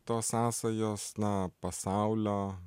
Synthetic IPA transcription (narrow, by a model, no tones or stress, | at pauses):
t̪oːsɑːsɐjoːsnɐpɐsɑˑʊlʲoː